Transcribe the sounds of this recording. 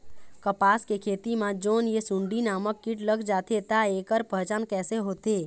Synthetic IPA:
kəpaːskekʰeːt̪imãd͡ʒoːnjesũɳɖinaːməkːiʈləɡd͡ʒaːt̪et̪aekəɾpəɦt͡ʃaːnkɛːseɦoːt̪e

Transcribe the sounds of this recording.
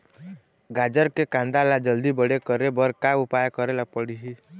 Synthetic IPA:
ɡad͡ʒəɾkekãnd̪alad͡ʒəld̪ibəɽekəɾebəɾkaupajkəɾelapəɽiɦi

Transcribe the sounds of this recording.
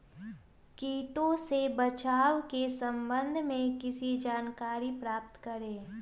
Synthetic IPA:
kiːʈõsebət͡ʃaːwkesə̃mbə̃nd̪ʱmẽkɪsid͡ʒaːnkaːɾipɾaːp̚t̪kəɾẽː

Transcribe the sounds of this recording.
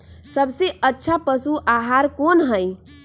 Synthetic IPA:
səbseətːʃʰapəsuaɦaɾkonɦəj

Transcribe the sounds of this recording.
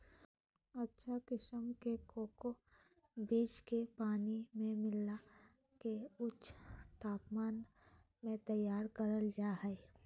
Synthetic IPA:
ɐtːʃʰakɪʃəmkekoːko | biːt͡ʃkepaːnimẽmɪla | keʊtʃt̪aːpmaːn | mẽt̪əjaːɾkəɾəld͡ʒaːɦɛe

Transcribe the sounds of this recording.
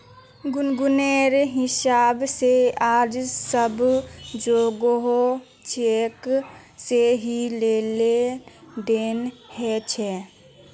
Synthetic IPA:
ɡʊnɡʊneːɾɦɪsaːbseaːd͡ʒsəbd͡ʒoːɡɦo | t͡ʃek | seɦileːled̪eːnhɛt͡ʃʰɛ

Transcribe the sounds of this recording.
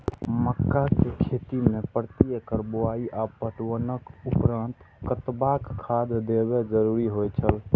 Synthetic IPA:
məkːakekʰet̪imepəɾt̪ijəkəɾboaiʔapəʈwənəkupɾant̪ | kət̪bakkʰːad̪d̪ebed͡ʒəɾuɾiɦojt͡ʃʰəl

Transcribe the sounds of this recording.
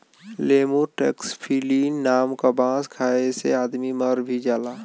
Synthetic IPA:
leːmuʈḛkspʰiːliːnːaːmkabãːskʰaːeseaːd̪miməɾbʱid͡ʒaːlaː

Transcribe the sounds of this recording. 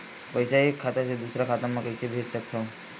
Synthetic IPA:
pəjsaekʰːat̪aʃed̪usɾakʰat̪amãkəjsebʱessək̚t̪ʰɔ

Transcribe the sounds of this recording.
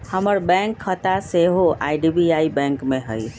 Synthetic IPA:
həməɾbɛ̃ŋkʰːət̪aseɦoʔa̰ːɪɖibiaːibɛ̃ːŋkmẽɦəj

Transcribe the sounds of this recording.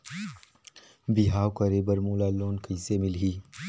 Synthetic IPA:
biɦaːwkəɾeːbəɾmoːlaːloːnkəjsemɪlɦiː

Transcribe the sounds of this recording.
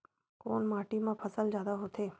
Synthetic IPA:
koːnmaːʈimãpʰəsəld͡ʒjaːd̪aɦot̪eː

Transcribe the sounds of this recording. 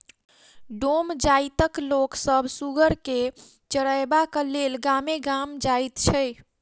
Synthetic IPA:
ɖomd͡ʒait̪əkloksəbsuɡəɾke | t͡ʃəɽəjbakəlelɡameɡamd͡ʒajt̪t͡ʃʰəj

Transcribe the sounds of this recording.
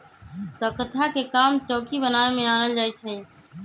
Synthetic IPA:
t̪əkət̪ʰakekamt͡ʃɔːkibənaemeanəld͡ʒajt͡ʃʰə

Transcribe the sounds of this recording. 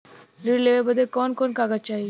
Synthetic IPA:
liɽleʋebəd̪ekɔːnkɔːnkaːɡat͡ʃaːɦi

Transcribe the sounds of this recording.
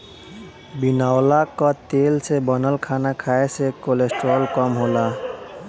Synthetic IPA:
binawlakɔt̪elsebɔnəlkʰanakʰaesekolesʈɾolkɔmɦola

